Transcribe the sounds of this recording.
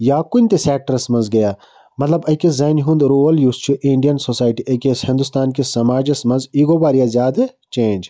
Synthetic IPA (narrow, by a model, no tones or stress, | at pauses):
jaːkʊnʲt̪esɛːk̚ʈəɾɐsmɐ̃nzɡɐjaː | mɐt̪lɐbɐkezaːnɦũnd̪ɾoːəljuːst͡ʃʰuʔĩɳɖijɐnsoːsaːjʈiʔɐkeshɪ̃nd̪ust̪aːnkesɐmaːd͡ʒɐsmɐ̃nziːɡobaːɾijazʲjaːd̪et͡ʃẽːnd͡ʒ